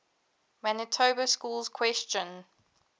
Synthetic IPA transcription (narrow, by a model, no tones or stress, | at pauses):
manətʰoːbəskuːlz̥kʰw̥ɛst͡ʃə̃n